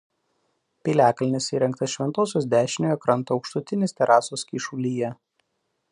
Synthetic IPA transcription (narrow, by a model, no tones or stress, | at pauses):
pʲilʲæːkɐlʲnʲɪsiːɾʲɛŋk̚t̪ɐsʃʲʋʲɛnt̪oːsʲoːsd̪ʲæːʃʲɪnʲoːjɛkɾɐnˑt̪uɒʊkʃt̪ʊt̪ʲɪnʲeːsʲt̪ʲɛɾʔɑːsoːskʲiːʃʊːlʲiːjɛ